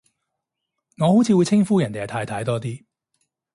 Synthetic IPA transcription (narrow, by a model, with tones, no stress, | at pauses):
ŋɔː˨˧ho˨˥wt͡sʰiː˨˧wːjt͡sʰɪ˥ŋfuː˥jɐ˨˩nt̪e˨hɐ˨t̪ʰaː˧jt̪ʰɐ˨˧˥jt̪ɔː˥t̪iː˥